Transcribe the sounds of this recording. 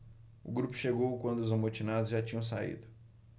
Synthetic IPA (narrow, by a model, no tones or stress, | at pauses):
ʊɡɾupʊ̥ʃeɡowkwɐ̃nd̪ʊzomot͡ʃinad̪ʊzʒat͡ʃĩɲɐ̃w̃saḭd̪ʊ